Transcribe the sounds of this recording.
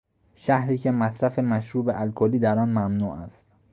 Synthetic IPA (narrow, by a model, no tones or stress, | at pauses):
ʃæhɾiːcʰe̞mæsɾæfemæʃɾuːbeʔælkʰoliːd̪æɾɒːnmæmnuːʔæst̪